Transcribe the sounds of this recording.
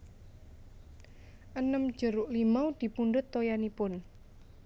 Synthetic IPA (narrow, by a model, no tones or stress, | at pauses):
ʔənəmd̥ʒ̥əɾʊʔlimaud̪̥i̤punɖʊt̪ːojanipʊn